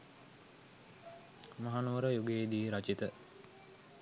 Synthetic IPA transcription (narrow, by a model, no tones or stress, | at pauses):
maɦanuʋəɾəjuɡeeːd̪iːɾat͡ʃit̪ə